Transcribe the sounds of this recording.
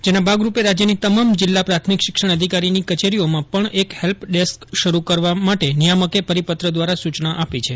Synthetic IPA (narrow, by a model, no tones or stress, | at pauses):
d͡ʒenabʱaɡɾupeɾad͡ʒjənit̪əmamd͡ʒɪlːapɾat̪ʰmikʃɪkʃəɳ̃əd̪ʱikaɾinikət͡ʃeɾiomãpəɳekhɛlpɖeskʃəɾukəɾʋamaʈenijaməkepəɾipət̪ɾəd̪ʋaɾasut͡ʃnaʔapit͡ʃʰe